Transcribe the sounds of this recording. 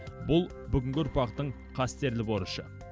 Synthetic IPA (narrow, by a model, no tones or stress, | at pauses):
bʊlˠ | bʏɡʲɪŋɡʲɪʊɾpɑqt̪əɴ | qʰɑst̪e̞ɾlɪboɾəʃə